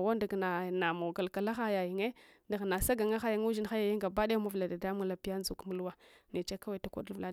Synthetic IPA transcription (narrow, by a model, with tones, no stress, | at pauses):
wa˦nda˨ɡna˨na˨ma˨ɡa˨lka˨la˦xa˦ja˨ji˨ŋe˦ | nda˨ɣna˨sa˦ɡa˨ŋa˦xa˦ja˨ŋu˦ʒi˦n˦xa˦ja˨ji˦ŋɡa˨ba˦da˦a˦ma˦vla˨da˨da˦mu˦ŋ˦la˨pi˦ja˦n˦zu˨kmu˦lu˦wa˦ne˨t͡ʃa˦ka˦wa˨ta˨kʷa̰˨du˦vla˦